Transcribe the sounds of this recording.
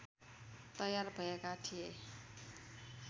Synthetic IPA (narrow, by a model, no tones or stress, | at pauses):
t̪ʌjarbʱʌekatʰije